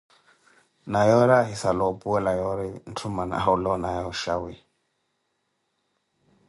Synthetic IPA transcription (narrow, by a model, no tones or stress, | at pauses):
najɔɾaɦisalɔpuɛlajɔɾin̩tʰumana̰ulɔnajɔʃawi